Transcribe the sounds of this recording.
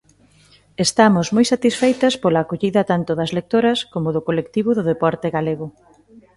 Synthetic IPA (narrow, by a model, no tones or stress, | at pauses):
est̪amʊzmojsat̪isfejt̪ɐspolaːkoʎiðɐt̪ant̪oðɐzlek̚t̪oɾɐskomʊðʊkolekt̪iβʊðʊðepɔɾt̪eɣaleɣʊ